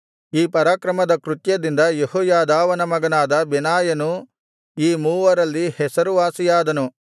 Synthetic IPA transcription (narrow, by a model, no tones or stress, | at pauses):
iːpɐɾaːkɾɐmɐd̪ɐkɾut̪jɐd̪ind̪ɐjehɔːjaːd̪aːʋɐnɐmɐɡɐnaːd̪ɐbɛnaːjɐnu | iːmuːʋɐɾɐlːihɛsɐɾuʋaːsijaːd̪ɐnu